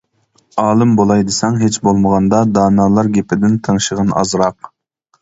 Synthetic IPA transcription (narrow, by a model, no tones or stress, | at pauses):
ɑːlˠɨmbolˠɑjd̪ɨsɛŋɦet͡ʃbolˠməʁɑnd̪ɑd̪ɑːnɑːlˠɑɾɡʲepʰɪd̪ɪnt̪ʰəŋʃəʁənʔɑ̰zɾɑq̚